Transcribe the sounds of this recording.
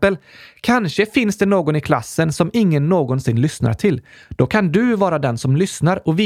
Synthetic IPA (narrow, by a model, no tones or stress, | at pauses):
əlkʰanʂəfɪnsd̪ɛnoːɡɔnɪkʰlasːənsɔmɪŋːənːoːɡɔnsɪnlʏsna̰ʈʰɪl | d̪̥ɔkʰand̪ɵvɑːɾad̪ɛnsɔmlʏsnaɾɔvi